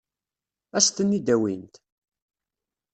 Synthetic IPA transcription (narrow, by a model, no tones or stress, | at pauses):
æst̪ənːid̪æwint̪